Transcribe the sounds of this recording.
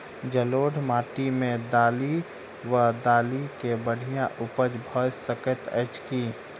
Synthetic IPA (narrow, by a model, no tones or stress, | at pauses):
d͡ʒəloːɽmaːʈimẽd̪aːli | ʋəd̪aːlikebəɽ̤ijãʔʊpəd͡ʒbʱɔsəkət̪ɛt͡ʃkiː